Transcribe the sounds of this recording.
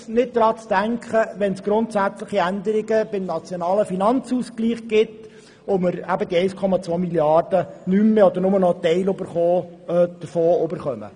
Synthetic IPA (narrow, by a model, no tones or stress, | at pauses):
nɪt̚d̥̪ɾɑːt͡sd̥æŋkχəʋɛnsɡ̥ɾʊnt̪sæt͡slɪχiænd̪əɾɪɡəbɪmnɑt͡sjonɑːləfinɑnt͡suːskliːχɡ̥ɪt | omɪɾæbəd̪iɛɪskʰɔmɑt͡sʋoːmiljɑrd̥ənymːeɔd̪əɾnʊmənɔt̪ɛɪløbəɾχoːd̪̥əɾfoːʊbəɾχœmə̰